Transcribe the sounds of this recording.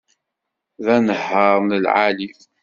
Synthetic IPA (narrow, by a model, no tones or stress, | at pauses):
ðænəħəɾˤnəlʕalif